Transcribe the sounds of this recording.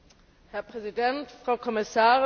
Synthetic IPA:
hɛɐpʁ̥ɛzidɛntfʁ̥aʊkʰɔmɪsaːʁɪ

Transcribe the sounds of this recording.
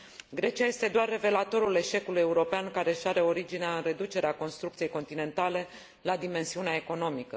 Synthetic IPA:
ɡɾe̞t͡ʃiaje̞st̪e̞d̪oarːe̞ve̞lat̪o̞ɾule̞ʃe̞kuluje̞uɾo̞peankaɾe̞ʃaɾe̞o̞ɾid͡ʒineaɨnɾe̞d̪ut͡ʃe̞ɾeako̞nst̪ɾukt̪sije̞jko̞nt̪ine̞nt̪ale̞ | lad̪ime̞nsiuneae̞ko̞no̞mikə̰

